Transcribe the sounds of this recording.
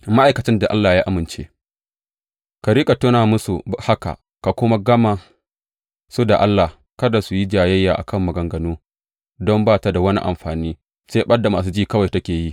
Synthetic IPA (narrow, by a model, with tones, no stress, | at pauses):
ma˦ʔa˨jkɐ˨t͡ʃɪ˦nda˨ʔa̰˦lːaː˨jaː˦ʔa˦mɪ˨nt͡ʃḛ˦ | ka˨ɾiː˦kʼa˨toː˦naː˨mʊ˦su˨ha˦ka̰˨ | ka˨kʷʊ˦ma˦ɡɐ˦ma˨ | su˦da˨ʔa˦lːa˨h | kɐ˦da˨su˨ji˦d͡ʒaː˨jɐ˦jːaː˨ʔa̰˨kʰɐ˦˨mːɐ˨ɡɐ˨ŋɡɐ˨noː˦ | dɔ˦mbaː˦˨ta˨˦da˨wɐ˦nḭ˦ʔa̰˨mɸaː˨niː˦ | seː˦ɓɐ˦da˨maː˨s̬uː˦d͡ʒiː˦˨kɐ˦wa˨jtɐ˦kʲeː˨ji˦ʔ